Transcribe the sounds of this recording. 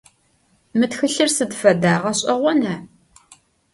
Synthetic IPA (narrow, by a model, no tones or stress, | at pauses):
mɨtxɨɬɨrsɨdfɐdaːʁɐɕʼɐʁʷɔnɐ